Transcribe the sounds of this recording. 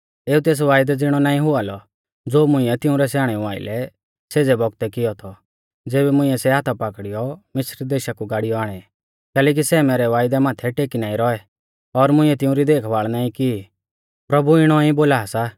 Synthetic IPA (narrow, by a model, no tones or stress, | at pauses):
eːut̪eːs̬ʋaːjd̪ɛd͡zɪɽ̃ɔnaːĩɦʊaːlɔ | d͡zoːmʊ̃ɪ̃ɛt̪ɪ̃ʊ̃ɾɛsaːɽ̃ɛũaːɪ̰lɛ | seːd͡zɛbɔɡ̚t̪ɛkɪɔt̪ʰɔ | d͡zeːbɛmʊ̃ĩɛsɛɦaːt̪ʰapaːkɽijɔmɪsɾd̪eːʃakuɡaːɽɪjɔaːɽ̃ɛ | kɛːlɛːk̬isɛːmɛːɾɛʋaːɪd̪ɛmãːt̪ʰɛʈeːkinaːĩɾɔɛ | ɔɾmʊ̃ɪ̃ɛt̪ɪ̃ʊ̃ɾid̪eːkʰʋaːɭnaːĩki | pɾɐbuɪɽ̃ɔiboːlaːsa